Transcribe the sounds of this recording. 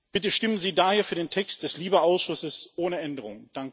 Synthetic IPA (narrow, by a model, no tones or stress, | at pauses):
b̥ɪtəʃtɪmənziːdaːheːɐfyːɐdeːntʰɛkst̚d̥ɛsliːbəʔaʊsʃʊsəsʔoːnəʔɛndəʁ̞ʊŋd̥aŋk